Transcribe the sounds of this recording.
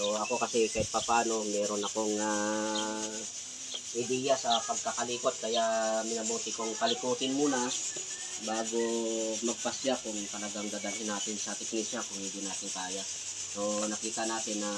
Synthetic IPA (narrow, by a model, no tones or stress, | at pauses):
soɐko̞kɐsɛkɐɪt̪̚pɐpaːno̞mɛːɾo̞nɐko̞ŋa | hɪd̪ijasɐpɐɡ̚kakɐliːpot̪̚kɐjamɪnɐboːt̪ɪkoŋkɐlɪkuːt̪ɪnmuːnɐ | baːɡomɐɡ̚pɐsjakʊŋt̪ɐlɐɡaŋd̪ad̪ɐlhɪnaːt̪ɪnsɐt̪ɛk̚nisjakʊŋhɪnd̪inaːt̪ɪŋkaːja | sonɐkiːt̪ɐnaːt̪ɪnːɐ